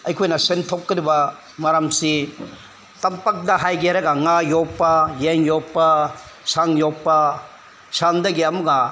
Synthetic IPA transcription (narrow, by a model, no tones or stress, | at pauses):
ɐjkʰojnɐsentʰokːɐɾibɐ | maɾamsi | tɐmpak̚dɐɦajɡeɾɐɡɐŋajopːɐjeŋjopːɐsaŋjopːɐ | sandɐɡiɐmuɡa